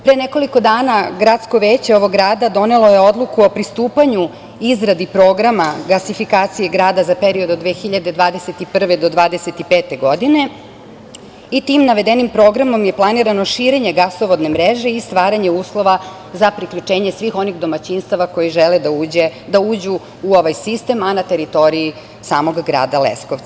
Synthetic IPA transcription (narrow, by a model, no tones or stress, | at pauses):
pɾeneko̞liko̞d̪aːnaɡɾat̪sko̞ʋeːt͡ɕeo̞ʋo̞ɡɾaːd̪ad̪o̞ne̞lo̞je̞od̪lˠukuo̞pɾist̪uːpaɲu | izɾad̪ipɾo̞ːɡɾamaɡasifikaːt̪sije̞ɡɾaːd̪azape̞ɾio̞d̪od̪ʋeːxiʎad̪ed̪ʋaːd̪eset̪ipr̩ʋed̪o̞d̪ʋaːd̪e̞set̪ipe̞ːt̪e̞ɡo̞d̪ine̞ | it̪imnaʋe̞d̪e̞nimpɾo̞ɡɾamo̞mje̞plˠaniɾano̞ʃiːɾe̞ɲe̞ɡaso̞ʋod̪ne̞mɾeʒe̞ist̪ʋaːɾaɲe̞uːslˠo̞ʋa | zapɾikʎut͡ʃe̞ːɲesʋixo̞niɣd̪o̞mat͡ɕinst̪aʋako̞jiʒeled̪auːed̪auːd͡ʑuː | o̞ʋajsist̪e̞manat̪e̞ɾit̪o̞ɾiji | saːmo̞ɡːɾa̰ːd̪alḛskoʋt̪a